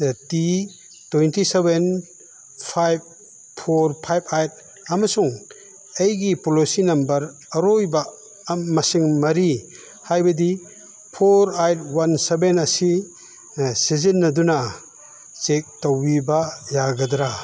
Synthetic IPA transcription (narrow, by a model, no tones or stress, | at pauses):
ti | twejntiseben | pʰajb̚ | pʰoɾpʰajbajt̚ | ɐmɐsuŋ | ejɡipolosinɐmbɐɾ | ɐɾojba | mɐsiŋmɐɾi | hajbɐdi | pʰoɾajt̚wansebenɐsi | sizinːɐduna | t͡ʃek̚towbibajaɡɐdɾa